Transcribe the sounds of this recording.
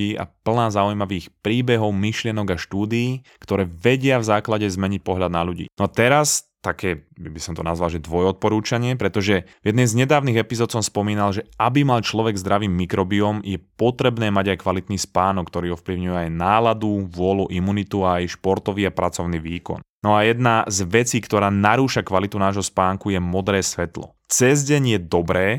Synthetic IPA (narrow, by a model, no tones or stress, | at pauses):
ia̰pl̩naːzaujmaʋiːxpɾiːbɛɦɔʊmiʃlɪɛnɔɡaʃt̪uːd̪iiːkt̪ɔɾɛːʋɛɟɪavzaːklaɟɛzmɛɲic̚pɔɦʎad̪naʎuɟḭːnɔat̪ɛɾast̪akɛːbisɔmt̪ɔnazʋalˠʒɛd̪ʋɔjɔt̪̚pɔɾuːt͡ʃaɲɪɛpɾɛt̪ɔʒɛvjɛd̪nɛjzɲɛd̪aːʊniːɣɛpizɔːt̪sɔmspɔmiːnalʒɛʔabimalt͡ʃlɔʋɛɡzd̪ɾaʋiːmːikɾɔbiɔmjɛpɔt̪ɾɛbnɛːmaɟajkʋalit̪niːspaːnɔk̚ːt̪ɔɾiːɔfpliʊɲujɛajnaːlad̪uʋʊɔluʔimunit̪uaːjʃpɔɾt̪ɔʋiːapɾat͡sɔʊniːʋiːkɔ̰nnɔajɛd̪nazʋɛt͡siːkt̪ɔɾaːnaɾuːʃakʋalit̪unaːʒɦɔspaːŋkujɛmɔd̪ɾɛːsʋɛt̪lɔ̰ | t͡sɛzɟɛɲjɛd̪ɔbɾɛː